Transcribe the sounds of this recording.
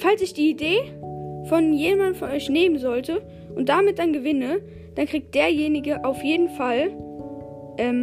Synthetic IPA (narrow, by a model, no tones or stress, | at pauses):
falsɪçd̥iːideːfɔnjeːmandn̩fɔnʔɔʏçneːmənzɔltə | ʔʊnt̚d̥amɪt̚d̥anɡəvɪnə | d̥ankʁ̥iːk̚t̚d̥eːɐjeːnɪɡəʔaʊfjeːdn̩fal | ʔɛːm